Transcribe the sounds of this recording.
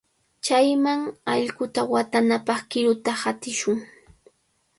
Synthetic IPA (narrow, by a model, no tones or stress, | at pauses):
t͡ʃajmaŋɑʎɢʊt̪awat̪anapɑχkɪɾʊt̪ahat̪ɪʃʊŋ